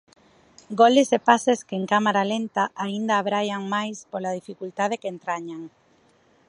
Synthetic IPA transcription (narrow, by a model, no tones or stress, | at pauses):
ɡolesepaseskeeŋkamaɾalent̪aʔaind̪aːβɾajaŋmajspolað̞ifikult̪að̞ekeent̪ɾaɲaŋ